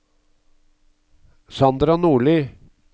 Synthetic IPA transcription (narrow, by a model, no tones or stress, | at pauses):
sɑnd̪ɾɑnuːɭyː